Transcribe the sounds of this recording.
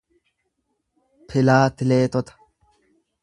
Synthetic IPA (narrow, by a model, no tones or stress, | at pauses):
pʰɪlaːt̪ɪleːt̪ɔt̪ɐ̥